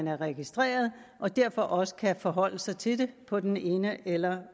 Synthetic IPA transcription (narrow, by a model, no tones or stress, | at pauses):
ænæɐʁɛɡ̥isd̥ʁḛːɐð̞̩ˠ | ʔɒ̽d̥æɐ̰fɒ̽ʔɒ̽sə̥kʰæfɒ̽ɦɒ̽l̰əsɑ̈ɪt͡sʰe̝de̝pʰɒ̽d̥ene̝ːnəʔelɐ